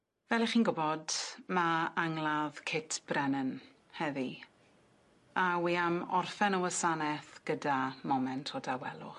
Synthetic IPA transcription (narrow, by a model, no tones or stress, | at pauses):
vɛlˠiχiːnɡʊbɔdmaaŋlˠaðkʰɪtʰb̥rɛnən | hɛði | awiːamɔrfɛnəwəsanɛθɡ̥ədamɔmɛntʰɔdawɛlˠʊ̰